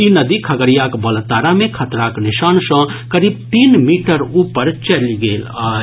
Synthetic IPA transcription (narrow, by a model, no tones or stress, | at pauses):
inɐd̪ikʰɐɡəɾijakbɐlt̪aːɾamẽkʰɐt̪ɾaːkniʃaːnsə̃kɐɾiːb̚t̪iːnmiʈəɾuːpəɾt͡ʃɐliɡeːla